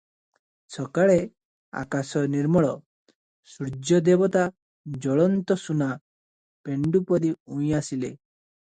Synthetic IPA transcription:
sʰɔkaɭe | a̰kasɔniɾmɔɭɔ | suɾd͡ʒɔd̪ebɔt̪a | d͡ʒɔɭɔnt̪ɔsuna | peɳɖupɔɾiuj̃asile

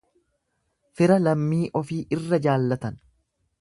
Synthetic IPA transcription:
fɪɾɐlɐmːiːʔɔfiːʔɪrːɐd͡ʒaːlːɐt̪ɐn

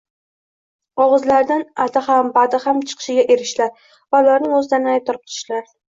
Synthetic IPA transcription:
ɒʁɨzlaɾd̪anat̪ʰahambad̪ɪhamt͡ʃʰɨ̥qʰɨ̥ʃɪɡʲaʔe̞ɾɪʃlaɾ | vaʊlaɾnɪŋɵzɪd̪aɾnɪaj̚t̪ʰɒɾɪp̪̚ʰʊ̥ɾɪ̥ʃlaɾ

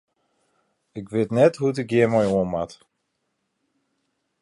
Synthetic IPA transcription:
ɪkʋɪtnɛtɦut̬ɪk̚jɪəmɔjuənmat

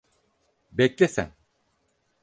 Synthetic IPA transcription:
bɛclʲesæ̰n

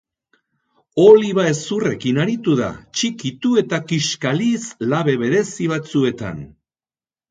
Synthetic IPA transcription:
o̞liβae̞sure̞kinaɾit̪uða̰t͡ʃikit̪ue̞t̪akiʃkalislaβe̞βe̞ðe̞siβ̞at͡sue̞t̪a̰n

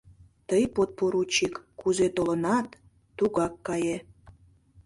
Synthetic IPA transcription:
t̪əjpot̪̚poɾut͡ɕikkuzet̪olə̆nɑt̪ː | uɣɑkːɑje

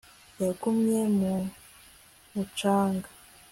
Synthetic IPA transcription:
jakumɲemu | mut͡ʃaːŋɡḁ

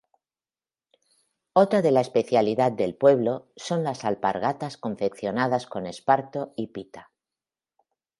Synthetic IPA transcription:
o̞t̪ɾaðe̞laespe̞θjaliðat̪̚d̪e̞lpwe̞β̞lo̞so̞nlasalpa̰ɾɣat̪asko̞ɱfe̞kθjo̞nað̞asko̞ne̞spaɾt̪o̞ipit̪a

